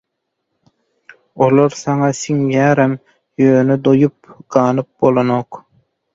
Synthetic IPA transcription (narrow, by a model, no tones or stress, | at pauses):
olˠoɾsɑŋɑsiŋjæːɾem | jøːned̪ojup̚ɡ̥ɑːnɯp̚bo̞lˠonoq